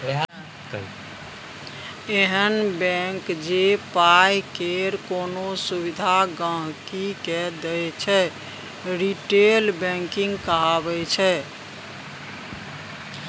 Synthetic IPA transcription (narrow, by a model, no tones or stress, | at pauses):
eɦənbɛ̃ŋkd͡ʒepajkeɾkonosubid̪ʱaɡə̃ɦkikɛd̪ɛjt͡ʃʰɛ | ɾiʈelbɛ̃ŋkiŋɡkəɦabɛt͡ʃʰɛ